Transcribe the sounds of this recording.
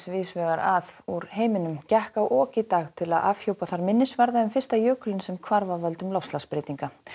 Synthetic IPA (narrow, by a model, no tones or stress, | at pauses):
svɪsvɛːɣaɾaðuɾɦeːjmɪnʏmcɛhkawʔɔːcɪt̪aːɣt̪ʰɪlaða̰ːv̥çowpaθaɾmɪnːɪsvaɾðaʏmfɪr̥st̪ajœːkʏlɪnsɛmkʰvaɾvavœlt̪ʏmlawfst̪laspɾeːjt̪iŋka